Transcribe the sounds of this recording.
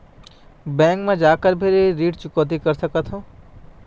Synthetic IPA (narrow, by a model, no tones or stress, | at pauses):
bɛ̃ːŋkmẽd͡ʒaːkəɾbʱɪɾiɾiːʈt͡ʃʊkoːt̪̬ikəɾsəkət̪ʰɦõ